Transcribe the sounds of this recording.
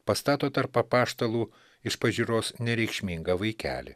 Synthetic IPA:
pɐst̪ɑːt̪oːt̪ɐɾpɐpɑːʃt̪ɐlˠuː | ɪʃpɐʒʲiːɾoːsnʲɛɾʲɛɪkʃʲmʲɪŋɡɐʋɐɪkʲæ̰ːlʲɪ̰

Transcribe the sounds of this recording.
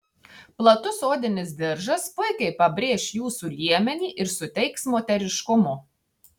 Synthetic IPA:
plˠɐt̪ʊsoːd̪ʲɪnʲɪs̬d̪ʲɪɾʒɐspʊɪkʲɛɪpɐbʲɾʲeːʃjuːsuːlʲiɛmʲɛnʲiːʔɪɾsʊt̪ʲɛɪksmoːt̪ʲɛɾʲɪʃkʊmʊ

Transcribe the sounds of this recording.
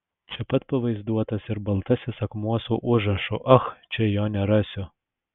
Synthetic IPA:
t͡ʃʲɛpɐt̪pɐʋɐɪzd̪uɔt̪ɐsɪɾbɐlˠt̪ɐsʲɪsɐkmuɔsuːʔʊʒɾɐʃʊʔɐxt͡ʃʲɛjoːnʲɛɾɑsʲʊ

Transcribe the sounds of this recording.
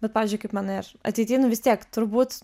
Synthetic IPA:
bʲɛt̪pɑːʋʲːzʲd͡ʒʊɪkɐɪpmɑːnɪrɐ̰t̪ʲɪːt̪ʲiːnʊʋʲɪst̪ʲiɛkt̪ʊɾbuːt̪

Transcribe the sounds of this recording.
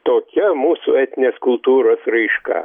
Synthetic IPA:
t̪oːkʲɛmuːsʊɛt̪ʲɪnʲeːskʊlˠt̪uːɾoːsɾɐɪʃkɑ̰ː

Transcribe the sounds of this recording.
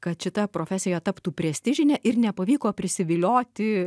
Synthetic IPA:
kɐt̪ʃʲɪt̪ɐpɾoːfʲæːsʲɪjɛt̪ɐpt̪uːpʲɾʲɛsʲt̪ʲɪʒʲɪnʲɛʔɪɾnʲɛpɐʋʲiːkoːpʲɾʲɪsʲɪʋʲɪlʲoːt̪ʲɪ

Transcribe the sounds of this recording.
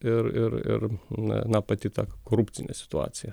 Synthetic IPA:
ɪɾɪ̰ɾɪ̰ɾnɐ̰nɑpɐt̪ʲiːt̪ɑ̰ːkoːɾupʲtsʲɪnʲḛsʲɪ̥t̪ʊɑ̰ːt̪sʲɪjɛ

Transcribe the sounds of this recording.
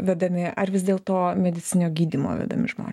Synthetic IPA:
ʋʲæd̪ɐmʲɪʔɐrʋʲɪsd̪ʲeːlˠt̪oːmʲɛd̪ʲɪt͡s̪ʲɪnʲoːɡʲiːd̪ʲimo̰ːʋʲɛ̰d̪ɐ̰mʲɪ̰ʒmo̰ːnʲs

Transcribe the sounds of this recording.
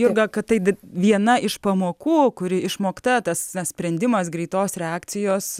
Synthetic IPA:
jʊrɡɐkɐtt̪ɐɪd̪ʋʲiɛnɐʔɪʃpɐmoːkuːkʊɾʲɪɪʃmoːkt̪ɐt̪ɐsnɐsʲpʲɾʲɛnʲd̪ʲɪmɐs̬ɡɾʲɛɪt̪oːsɾʲɛaːkt̪sʲɪjoːs

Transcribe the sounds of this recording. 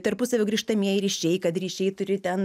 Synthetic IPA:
t̪ɐɾpʊsɐʋʲoːɡɾʲiːʃt̪ɐmʲiɛjɪɾʲiːʃʲɛɪkɐt̪ɾʲiːʃʲɛɪt̪ʊɾʲɪt̪ʲɛn

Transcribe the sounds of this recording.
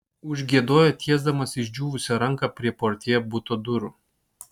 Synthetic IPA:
ʊʒʲɡʲiɛd̪oːjot̪ʲʰiɛzd̪ɐmɐsɪʒʲd͡ʒʲuːʋʊsʲɛɾɐŋkɐpʲɾʲiɛpoːɾʲt̪ʲiɛobʊt̪od̪ʊɾu

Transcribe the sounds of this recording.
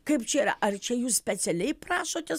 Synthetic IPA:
kɐɪpt͡ʃʲɛiːɾɐ̰ʔɐrt͡ʃʲɛjuːssʲpʲɛt͡ssʲɛlʲɛɪpɾɑːʃoːt̪ʲɛs

